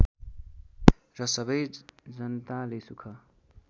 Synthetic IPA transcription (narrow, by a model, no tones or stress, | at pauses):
rʌsʌbʌjd͡zʌnt̪alesukʰʌ